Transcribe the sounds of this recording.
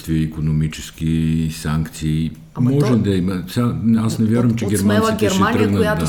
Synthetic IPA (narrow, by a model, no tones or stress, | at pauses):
t̪viəikonomit͡ʃɛskisaŋkt̪siː | mɔʒɛd̪ɐimɐsʲanasnɛvʲjaɾvəmt͡ʃɛɡʲɛɾmanit̪ɛɾmɛt̪ɾəɡ̪əd̪a